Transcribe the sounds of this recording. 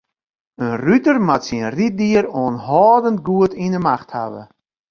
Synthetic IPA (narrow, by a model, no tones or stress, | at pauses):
ənrytərmatsinrit̚diəɾoənɦɔːdənt̚ɡuətinəmaxtha̰ʋə̰